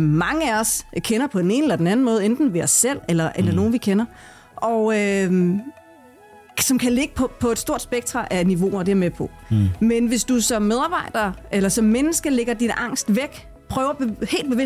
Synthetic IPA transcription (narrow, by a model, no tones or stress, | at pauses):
mɑ̈ŋəæɒskʰenɐpʰɒ̽d̥ene̝ːnəelɐdenæn̩mɔ̽ːð̞̩ˠend̥n̩ʋe̝ɒ̽sːel̰elɐʔelɐno̝ːn̩ʋikʰenɐ | ʔɒø | sɒ̽mkʰæle̝ɡ̥əpʰpʰɒ̽e̝d̥sd̥o̝ɐ̰d̥sb̥eɡ̥̚t͡sʁɑ̈ʔæniʋo̝ːɒd̥e̝æɐmepʰɒ̽menʋe̝sd̥usɒ̽mːeð̞ˠɑ̈ːb̥ɑ̈ɪ̰d̥ɐelɐsɒ̽mːenəsɡ̥əleɡ̥ɐd̥inʔɑ̈ŋ̰sd̥ʋeɡ̥ | pʰʁœːʊɐb̥ehe̝̰ːld̚b̥e̝ʋe